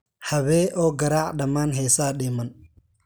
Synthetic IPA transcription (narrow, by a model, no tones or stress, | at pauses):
hɐβɛːʔɔːɡɐɾaːʕɗɐmaːnɦɛjsaːɗɪːmɐn